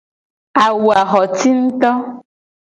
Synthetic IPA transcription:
a˨wu˨a˨xɔ˨t̪i˦n̩˦t̪ɔ˦

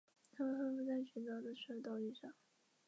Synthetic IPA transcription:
t̪ʰa˥mə˨˩xə˥fu˥t͡sa˥˩ɪɕɛ˧˥nt̪ɑ˥˩ʊd̪a˥˩ɪʂɻ̩˥˧˩t̪ɑ˥˧ʊt̪i˥˧ʂɑ˥˩ŋ

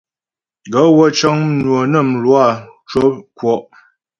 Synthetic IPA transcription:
ɡə˨˦wɔ˦t͡ʃɔ˦ŋnwo˨nə˦˨mlwa˦˨t͡ʃo˦kwɔ˨ʔ

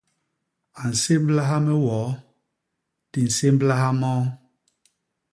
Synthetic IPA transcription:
a˨n̩˨se˦m˦bla˦ɦa˦mɛ˦wɔː˨˦ | ti˨n̩˨se˦mbla˦ha˦mɔː˦

